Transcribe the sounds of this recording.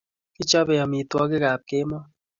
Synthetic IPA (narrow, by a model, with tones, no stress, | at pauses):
ki˦t͡ʃɔ˦bɛ˨jɔ˨mi˨twɔ˦k̬ɪ˦ka˨p̚ke˦mɔ˦